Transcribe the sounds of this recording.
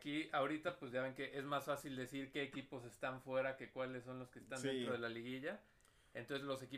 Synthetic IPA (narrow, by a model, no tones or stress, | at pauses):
kiaoɾit̪apwezʝaβe̞ŋke̞ʔezmasfasild̪e̞siɾke̞ːkipo̞se̞st̪aɱfwe̞ɾake̞kwalesːo̞nlo̞ske̞ːst̪and̪ent̪ɾo̞ð̞e̞laliɣiʝa | ent̪o̞nsezlo̞se̞ki